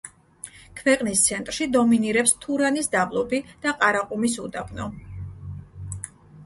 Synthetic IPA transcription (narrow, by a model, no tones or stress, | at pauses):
kʰvɛqʼnist̪sʰɛnt̪ʼɾʃid̪ɔminiɾɛpst̪ʰuɾanisd̪ablˠɔbid̪̥aqʼaɾaqʼumis̬ud̪apʼnɔ